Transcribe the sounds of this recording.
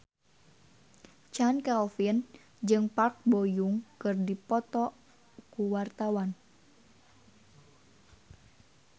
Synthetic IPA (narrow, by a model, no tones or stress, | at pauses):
t͡ʃankɛlfin | d͡ʒɨŋpark̚bojuŋkɨrdipɔt̪ɔ | kuwart̪awan